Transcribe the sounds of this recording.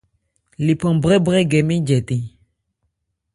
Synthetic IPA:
li˨pɔ̃˨bʁɛ˦bʁɛ˦ɡɛ˨mĩ˦d͡ʒɛ˨t̪ĩ˨

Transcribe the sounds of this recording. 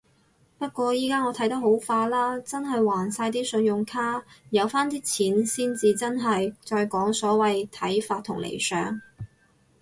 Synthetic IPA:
pɐ˥t̚kʷɔː˧jiː˥kaː˥ŋɔː˨˧t̪ʰɐ˨˥jt̪ɐ˥k̚ɦo˨˥wfaː˧laː˥t͡sɐ˥nɦɐ˨jwaː˨˩nsaː˧jt̪̬iː˥sɵ˨˧njʊ˨ŋkʰaː˥jɐ˨˧wfaː˥nt̪iː˥t͡sʰiː˨˥nsiː˥nt͡siː˨t͡sɐ˥nɦɐ˨jt͡sɔː˧jkɔː˨˥ŋsɔː˨˥wɐ˨jt̪ʰɐ˨˥jfaː˧t̪ʰʊ˨˩ŋlḛ˨˩jsœ̰ː˨˥ŋ

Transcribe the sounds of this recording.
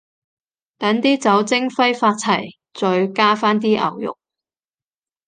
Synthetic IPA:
t̪ɐ˨˥nt̪iː˥t͡sɐ˨˥wt͡sɪ˥ŋfɐ˥jfaː˧t̚t͡sʰɐ˨˩j | t͡sɔː˨˧ɥkaː˥faː˥nt̪iː˥ʔɐ̰˨˩wjʊ̰˨k̚

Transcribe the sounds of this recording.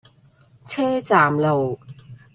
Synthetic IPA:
t͡sʰɛː˥t͡saː˨˩mlo˨˩w

